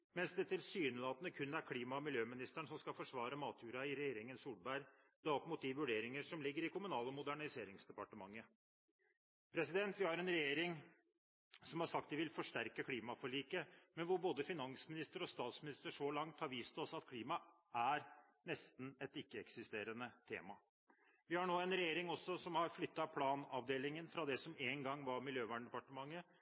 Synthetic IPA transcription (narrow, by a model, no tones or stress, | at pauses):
mɛnsd̪ɛt̪ʰɪlsyːnəlɑːt̪ənəkʰʉnːæɾkʰliːmɑɔmɪljøːmɪnɪst̪æɳsɔmskɑlfɔʂʋɑːɾəmɑːt̪ʰjʉːɾɑɪɾɛjeːɾɪŋənsuːlbæɪɾ | d̪̥ɑːɔpmuːt̪̚d̪ɪʋʉɖeːɾɪŋəʂɔmlɪɡːəɾɪkʰʊmʉnɑːləmʊd̪æɳɪseːɾɪŋsd̪ɛpɑʈəmɑŋːə | pʰɾɛsɪd̪ɛnt̪ʋɪhɑɾɛnɾɛjeːɾɪŋ | sɔmhɑʂɑk̚t̪d̪ɪʋɪlfɔʂʈæɾkəkʰliːmɑfɔɭiːkəmɛnʋʊɾboːd̪əfɪnɑnsmɪnɪst̪əɾɔst̪ɑːt̪smɪnɪst̪əʂɔlɑŋt̪hɑɾʋiːst̪ʰɪɔsɑt̪̚kʰliːmɑ | ʔæɾ | nɛst̪n̩ɛt̪ɪkːəɛksɪst̪eːɾənət̪ʰḛːmɑ | ʋɪhɑɳoːɛnɾɛjeːɾɪŋɔsːɔsɔmhɑɾflʏt̪ːɑpʰlɑːnɑʋd̪eːlɪŋənfɾɑd̪ɛsɔmeːŋɡɑŋːʋɑɾmɪljøːʋæːɳɖ̪ɛpɑʈəmɑŋːə